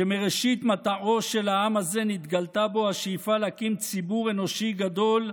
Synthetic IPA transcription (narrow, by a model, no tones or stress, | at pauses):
emeʁeʃit̪mat̪aʔo̞ʃelaamaze̞nit̪ɡalt̪abo̞haʃejfalakimt͡sibuʁe̞no̞ʃiɡad̪o̞l